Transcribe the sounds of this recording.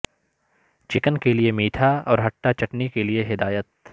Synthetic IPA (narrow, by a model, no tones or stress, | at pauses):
t͡ʃɪkənkeliemiːʈʰaɔːɾɦɐʈːat͡ʃɐʈnikelieɦɪd̪aːjət̪